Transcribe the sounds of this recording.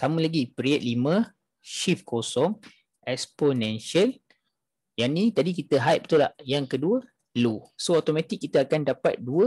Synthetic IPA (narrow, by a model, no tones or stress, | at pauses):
samə̃laɡipɾiət̪̚limə̃ | ʃifkosɔŋ | ɛksponɛ̃nʃiəl | janit̪adikit̪əɦajp̚t̪ula̰hjaŋkəduə | lusoot̪omãt̪ikːit̪əakandapa̰t̪̚duə